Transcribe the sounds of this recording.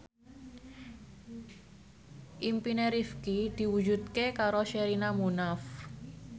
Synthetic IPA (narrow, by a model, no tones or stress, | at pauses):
ʔimpineɾifkid̪̥i̤wu̥d͡ʒut̪̚kekaɾoʃɛɾinamunaf